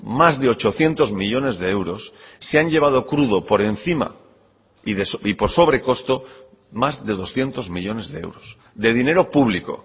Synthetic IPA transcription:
mazðe̞o̞t͡ʃo̞θje̞nt̪o̞zmiʎo̞ne̞zðeewɾo̞sːeaɲʎe̞β̞að̞okɾuð̞o̞po̞ɾe̞n̟θima̰ | iðesipo̞ɾso̞β̞ɾe̞ko̞st̪o̞ | mazðe̞ð̞o̞sθje̞nt̪o̞zmiʎo̞ne̞zðeḛwɾos | d̪e̞ðine̞ɾo̞puβliko̞̰

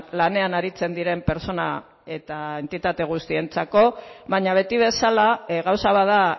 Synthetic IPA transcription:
lane̞anaɾit͡se̞nd̪iɾe̞mpe̞ɾt͡so̞na̰ | e̞t̪ae̞nt̪it̪at̪e̞ɣ̞ust̪ie̞nt͡sako̞βaɲaβ̞e̞t̪iβ̞e̞salaɣawsaβaða

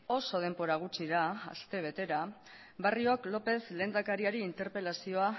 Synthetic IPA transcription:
o̞so̞ð̞e̞mbo̞ɾaɣ̞ut͡siðaa̰st̪e̞β̞e̞t̪e̞ɾa | βarioklo̞pe̞zle̞ːnd̪akaɾiaɾiːnt̪e̞ɾpe̞lasio̞a

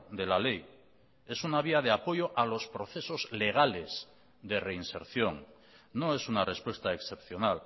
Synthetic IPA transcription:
d̪e̞lale̞j | e̞sunaβ̞iað̞eapo̞jo̞ʔalo̞spɾo̞θe̞so̞zle̞ɣ̞ale̞z | d̪e̞reinse̞̰ɾθjo̞ŋ | no̞e̞sunare̞spwe̞st̪aeksθe̞pθjo̞nal

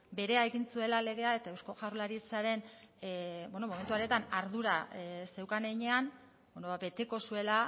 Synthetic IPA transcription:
be̞ɾe̞ae̞ɣinsue̞lale̞ɣ̞e̞ae̞t̪ae̞wsko̞ʝawɾrlaɾit͡saɾe̞n | bweno̞mo̞me̞nt̪uaɾe̞t̪anaɾðuɾase̞wkaneiɲe̞an | benoβabe̞t̪e̞ko̞sue̞la

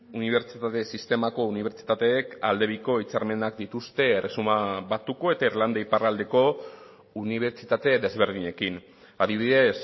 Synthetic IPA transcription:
uniβ̞e̞ɾt͡ʃit̪at̪e̞sist̪e̞mako̞uniβ̞e̞ɾt͡ʃi̥t̪at̪e̞ːkald̪e̞βiko̞it͡saɾme̞nak̚d̪it̪ust̪e̞ːresumaβat̪uko̞e̞t̪aiɾland̪aiparald̪e̞ko̞ | uniβe̞ɾt͡ʃit̪at̪e̞ðe̞zβe̞ɾð̞iɲe̞kin | aðiβ̞iðe̞s

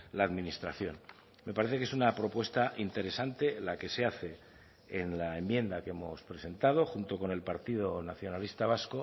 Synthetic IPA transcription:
laːðminist̪ɾaθjo̞n | me̞paɾe̞θe̞ke̞sunapɾo̞pwe̞st̪aʔint̪e̞ɾe̞sant̪e̞lake̞se̞aθe̞ | enlae̞mbje̞nd̪ake̞mo̞spɾe̞se̞nt̪aðo̞xunt̪o̞ko̞ne̞lpaɾt̪ið̞o̞naθjo̞nalist̪aβ̞asko

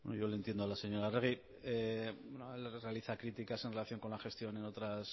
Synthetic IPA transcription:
bḛnoʝo̞lent̪je̞nd̪oalase̞ɲo̞ɾareɣ̞i | ebenoelrealiθakɾit̪ikase̞nre̞laθjo̞ŋko̞nlaxe̞st̪jo̞ne̞no̞t̪ɾas

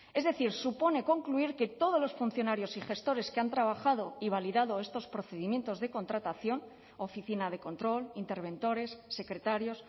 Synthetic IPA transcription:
e̞zðe̞θiɾsupo̞ne̞ko̞ŋkluiɾke̞t̪o̞ð̞o̞zlo̞sfun̟θjo̞naɾjo̞sixe̞st̪o̞ɾe̞skeant̪ɾaβaxað̞o̞iβ̞aliðað̞o̞e̞st̪o̞spɾoθe̞ðimjẽ̞nt̪o̞zðeko̞nt̪ɾat̪aθjo̞n | o̞fiθinað̞e̞ko̞nt̪ɾo̞lint̪e̞ɾβe̞nt̪o̞ɾe̞sːe̞kɾe̞t̪aɾjo̞s

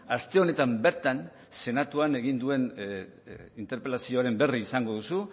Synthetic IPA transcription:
ast̪e̞o̞ne̞t̪ambe̞ɾt̪an | se̞nat̪uane̞ɣind̪ue̞n | int̪e̞ɾpe̞lasio̞aɾe̞mbe̞riːsaŋɡo̞ðusu

